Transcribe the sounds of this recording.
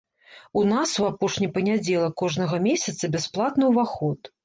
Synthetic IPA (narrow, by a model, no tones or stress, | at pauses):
unasuapɔʂnʲipɐnʲad͡zʲɛlˠɐkɔʐnɐɣɐmʲesʲɐt̪sɐbʲɛsplˠat̪nɨwvaxɔt̪